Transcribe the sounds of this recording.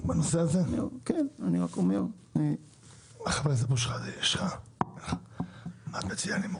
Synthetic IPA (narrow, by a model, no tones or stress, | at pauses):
banoseazenikenaniʁakomeʁ | ni | aχavezepoʃ̬χazeiʃχaamaːt̪met͡sijanim